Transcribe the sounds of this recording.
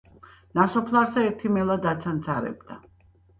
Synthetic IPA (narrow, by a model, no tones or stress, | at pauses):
nasɔpʰlˠaɾsɛɛɾt̪ʰimɛlˠad̪at̪sʰant̪sʰʼaɾɛ̰b̚d̪a